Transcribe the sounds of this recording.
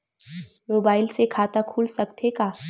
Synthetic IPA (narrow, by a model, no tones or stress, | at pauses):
moːbaːɪlsekʰaːt̪akʰuːlsɐkt̪ekaː